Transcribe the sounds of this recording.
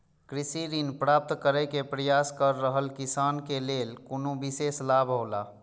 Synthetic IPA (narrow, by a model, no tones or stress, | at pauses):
kɾisiɾinpɾap̚t̪kəɾɛkepɾəjaskəɾːəɦəlkisankelelkonobiseslabʱɦola